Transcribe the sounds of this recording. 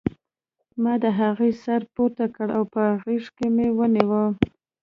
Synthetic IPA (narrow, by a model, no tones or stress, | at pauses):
mɑd̪əɦaɣejsaɾpoɾt̪akəɽawpəɣiʂkemewəniwə